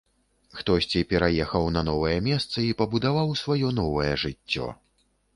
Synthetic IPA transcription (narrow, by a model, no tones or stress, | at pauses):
xt̪ɔsʲt͡sʲipʲɛɾajɛxɐwnɐnɔvɐjɛmʲɛst̪sɐipɐbud̪avawsvajɔnɔvɐjɛʐɨt͡sʲːɔ̰